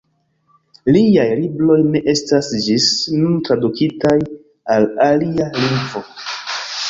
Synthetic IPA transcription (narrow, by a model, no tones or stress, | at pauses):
liajliblo̞jne̞ʔe̞stasd͡ʒisnuntɾadukʰitaj | alalialiŋɡvo̞